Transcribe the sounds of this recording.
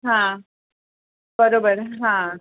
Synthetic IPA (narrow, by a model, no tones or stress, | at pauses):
ɦã | bəɾoːbəɾɦã